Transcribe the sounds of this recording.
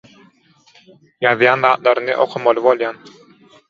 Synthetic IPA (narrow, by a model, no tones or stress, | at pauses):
jɑðjɑːnðɑːt̪̚lˠɑɾɯnɯʔo̰qʰumɑlˠɯbolˠjɑːn